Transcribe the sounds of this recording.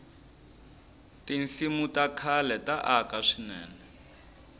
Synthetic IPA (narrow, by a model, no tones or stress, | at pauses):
tinsimutakʰalɛtaʔakaʂinɛ̰ːnɛ